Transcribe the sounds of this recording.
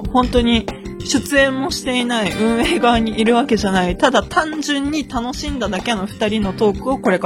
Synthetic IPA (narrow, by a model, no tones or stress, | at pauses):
hõ̞nt̪o̞ɲ̟i | ɕɨt͡sɨẽ̞mːo̞ɕi̥t̪e̞inaiʔɯ̟̃ɰ̃e̞ːɡaβːɲ̟iʔiɾɯ̟βake̞ʑanait̪ad̪at̪ãɲd͡ʑɨ̃ɲ̟ːit̪ano̞ɕĩnd̪ad̪ake̞no̞ɸɯ̥t̪aɾʲino̞t̪o̞ːkɯ̟o̞ko̞ɾe̞k